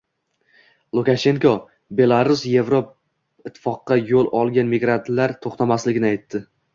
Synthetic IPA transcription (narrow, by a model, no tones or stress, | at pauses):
lˠukaʃe̞ŋkʰo | be̞lˠaɾʊsje̞vɾop̚ | ɪt̪ʰːɪ̥fɒqːɑjolˠɒlˠɡʲanmɪɡɾant̪laɾt̪ʰoχt̪amaslɪɡʲɪnɪajt̪ːɪ